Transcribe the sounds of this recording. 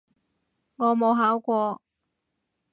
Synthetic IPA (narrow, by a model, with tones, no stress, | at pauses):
ŋɔː˨˧mo˨˧wɦaː˨˥wkʷɔː˧